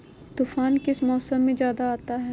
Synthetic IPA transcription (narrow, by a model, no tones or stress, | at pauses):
t̪uːfaːnkɪsmɔːsəmːẽd͡ʒjaːd̪aaːt̪aɦɛː